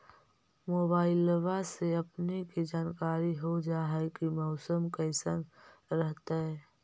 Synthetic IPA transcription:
moːbaːɪlːəʋaseɐpnikid͡ʒaːnkaːɾiɦod͡ʒaːɦɛkimɔʊsəmkəɪsənɾəɦt̪aɦɛː

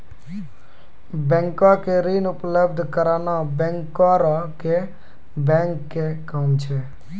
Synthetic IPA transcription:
bɛ̃ŋkakeɾiːnʊpləb̚d̪ʱkəɾaːnabɛ̃ŋkaɾake | bɛ̃ːŋkːekamt͡ʃʰe

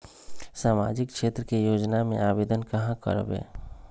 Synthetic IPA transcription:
saːma̰ːd͡ʒɪkʰʃeːt̪ɾəkejoːd͡ʒnamḛ̃aːbeːd̪ənkəɦãkə̰ɾbḛː

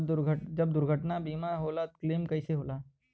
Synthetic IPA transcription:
d̪ʊɾɡʱəd͡ʒɐb̚d̪ʊɾɡʱəʈnabiːmaɦoːlat̪kleːmkɐɪseɦoːlaː

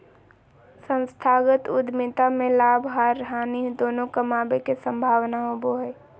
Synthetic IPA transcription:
sə̃nst̪ʰaːɡət̪ʊd̪mɪt̪amẽlaːbʱɦaɾːɦaːnid̪oːnõkəmaːbekesə̃mbʱaːʋnaɦoboɦɛ

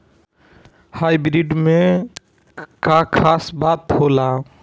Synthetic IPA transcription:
hajbɾiɖmẽ | kakʰasbat̪hola

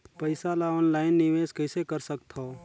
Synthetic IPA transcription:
pəɪsalaɔːnlaːɪnːɪʋeːskəɪsekəɾsəkt̪ɦo

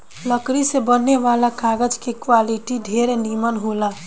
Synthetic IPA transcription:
ləkɾisebənːeʋalakaɡəd͡ʒkekwaliʈiɖʱeɾenimənɦola

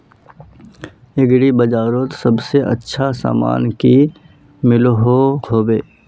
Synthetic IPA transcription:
ɪɡɽibɐd͡ʒaːɾoːt̪sɐbseʔə̰tːʃʰasa̰ːma̰ːnki | mɪlɦohoːbeː

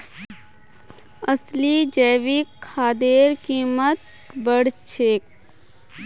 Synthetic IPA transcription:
əslid͡ʒəːʋikʰːaːd̪eːɾkiːmət̪̚ | bəɽt͡ʃʰeːk̚

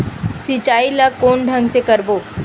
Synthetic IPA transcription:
sit͡ʃaːilakoːnɖʱə̃ŋɡsekəɾboː

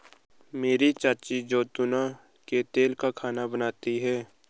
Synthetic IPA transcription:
meːɾit͡ʃaːt͡ʃid͡ʒoːt̪ʊna | ket̪eːlkakʰaːnabənaːt̪iɦɛː

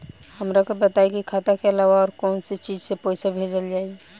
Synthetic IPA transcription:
həmɾakobət̪aikikʰaːt̪akeəlaːʋaɔːɾkɔːnset͡ʃiːd͡ʒsepoɪsabʱed͡ʒəld͡ʒaːi

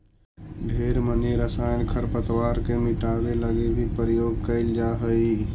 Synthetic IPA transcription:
ɖʱeːɾməneɾəsaːɪnkʰəɾpət̪ʋaːɾkemɪʈaːʋeləɡebʱipəɾjoːɡ̚kəɪld͡ʒaːɦəi

